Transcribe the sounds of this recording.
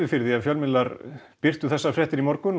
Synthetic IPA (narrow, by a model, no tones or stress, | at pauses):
ɪfɪɾðɪaðfjœlmɪnlːaɾpɪr̥t̪ʏθɛsːafɾɛht̪ɪɾimɔɾkʏn